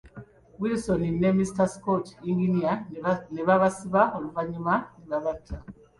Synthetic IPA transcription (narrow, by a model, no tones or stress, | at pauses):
wilisoninːemistaskotiŋɡinianeβaβasiβaoluvaɲumaniβaβatʰa